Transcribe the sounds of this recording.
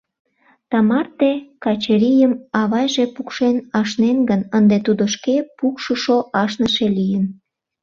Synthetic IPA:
t̪ɑmɑrt̪ekɑt͡ɕeɾijəmɑβɑjʒepukʃenɑʃnenɡənənd̪et̪ud̪oʃkepukʃəʃoʔɑʃnəʃelijən

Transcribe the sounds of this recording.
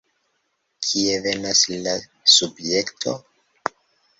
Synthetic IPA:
kʰie̞ve̞naslasubje̞ktʰo̞̰

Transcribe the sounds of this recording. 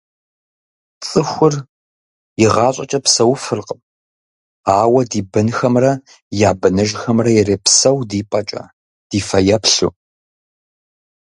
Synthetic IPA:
t͡sʼɨxʷʊr | jɪʁɑːɕʼɐt͡ʃʼɐpsɐwfɨrqʼəp | aːwɐdiːbɨnxɐmrɐ | jaːbɨnɨʒxɐmrɐjɛreːpsɐwdiːpʼɐt͡ʃʼɐ̰ | d̥iːfɐjɐpɬṵ

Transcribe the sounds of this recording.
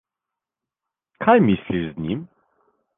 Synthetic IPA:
kʰajmʲisʲlʲiʂzɲḭm

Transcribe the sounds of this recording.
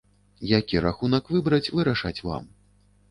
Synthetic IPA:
jakʲiɾaxunɐkvɨbɾɐt͡sʲvɨɾaʂat͡sʲva̰m

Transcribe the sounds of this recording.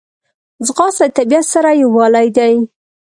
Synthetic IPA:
zɣɑsat̪abijat̪saɾajawɑlajd̪aj

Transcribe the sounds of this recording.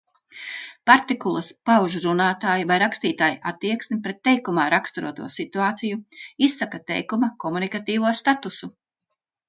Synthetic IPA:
paɾt̪ikulˠɐspawʒuɾunaːt̪aːjivajɾakst̪iːt̪aːjʔat̪ːiɛksmʲipɾɛt̪ːɛjkumaːɾakst̪uɾṵɔt̪ṵɔsit̪uaːt̪sijuisːakat̪ɛ̰jkumakɔmunikat̪iːvuɔst̪at̪usu

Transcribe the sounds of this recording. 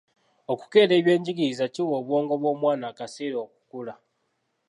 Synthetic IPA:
o̞ku̥ke̞ːle̞ːβje̞ːɲɟiɡiizaciwo̞ːβwo̞ːŋɡo̞βwo̞ːmwaːnaːkaseːɾoːku̥kula

